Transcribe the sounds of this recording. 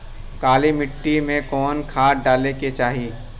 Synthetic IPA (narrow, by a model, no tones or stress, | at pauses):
kaːlimɪʈːimẽkɔːnkʰaːʈɖaːleket͡ʃaːɦiː